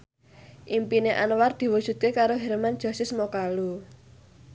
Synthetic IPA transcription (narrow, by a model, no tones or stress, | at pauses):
ʔimpineʔa̰nward̪̥i̤wud̥ʒ̥ṳt̪̚kekaɾoɦɛrman̥ʒ̥ɔ̤sɪsmokalu